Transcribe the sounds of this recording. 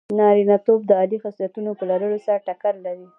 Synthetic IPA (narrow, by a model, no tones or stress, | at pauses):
nɑɾinɑt̪ob̚d̪əɑlifaslat̪unopəlaɾəlosaɾʈakaɾlaɾi